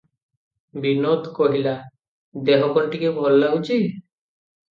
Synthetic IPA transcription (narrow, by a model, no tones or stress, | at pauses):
binot̪koɦila | d̪eɦɔkɔɳʈikebʱɔlːaut͡ʃi